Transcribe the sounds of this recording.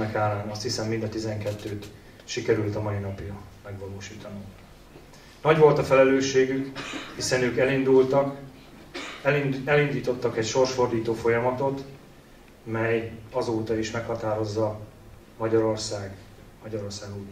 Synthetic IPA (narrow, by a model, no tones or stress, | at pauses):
ɛkaːlaːnɒst̪hisɛmːind̪ɒt̪izɛŋkɛt̪ːøːt̪ | ʃikɛɾylt̪ɒmɒinɒpiɾɒmɛɡʋɒloːʃiːt̪ɒnum | nɒɟʋo̞lt̪ɒfɛlɛløːʃːeːɡykhisɛnøːkɛlind̪ult̪ɒk | ɛlind̪iːt̪o̞t̪ːɒkɛcʃo̞rʃfo̞rd̪iːt̪oːfo̞jɒmɒt̪o̞t̪ | mɛjɒzoːt̪ɒiʃmɛkhɒt̪aːɾo̞zːɒ | mɒɟɒɾo̞rsaːɡ | mɒɟɒɾo̞rsaːɡuː